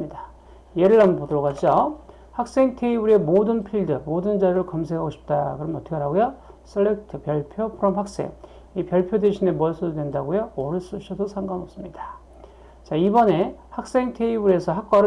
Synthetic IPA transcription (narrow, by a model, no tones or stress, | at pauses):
ida | jeɾɯɭɦampodoɾʌɣad͡ʑo | hak̚s͈e̞ŋtʰe̞ibuɾe̞modɯnpʰiɭdɯmodɯnd͡ʑaɾɯɭkʌmsʰekʰaɡoɕʰi̥p̚t͈akɯɾʌnʌtʰɯ̥kʰeɾɦaɡojo | s͈ʰɯɭːek̚tʰɯpjʌɭpʰjopʰɯɾʌmhak̚s͈e̞̰ŋ | ipjʌɭpʰjode̞ɕʰine̞mʌɭs͈ʰododwe̞ndaɡojoːɾɯs͈ɯɕʰʌdosʰaŋɡanos͈ɯmɲidḁ | t͡ɕaibʌne̞hak̚s͈e̞ŋtʰe̞ibuɾe̞sʰʌɦak̚k͈waɾɯ